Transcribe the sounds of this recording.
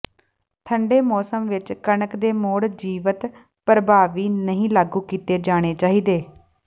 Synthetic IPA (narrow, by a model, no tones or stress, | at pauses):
t̪ʰəɳɖeːmɔːsəmʋɪt͡ʃkənəkd̪eːmoːɽd͡ʒiːʋət̪ | pəɾəbaːʋiːnəɦĩːlaːɡuːkiːt̪eːd͡ʒaːɽ̃eːt͡ʃaːɦiːd̪eː